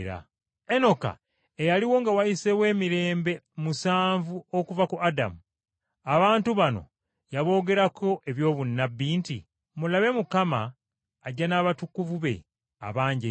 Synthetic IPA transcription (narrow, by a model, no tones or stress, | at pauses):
ɾa̰ | eno̞ka̰ | ejaliwo̞ŋɡawajise̞we̞ːmiɾe̞ːmbe̞musaːɱvuokuvakuada̰mu | aβaːntuβano̞̰ | jaβo̞ːɡe̞ɾakʰo̞ʔe̞βjo̞ːβunːabːiːntḭ | mulaβe̞mukamaː | ɟːanaːβatukːuvuβe̞̰ | a̰βaːɲɟe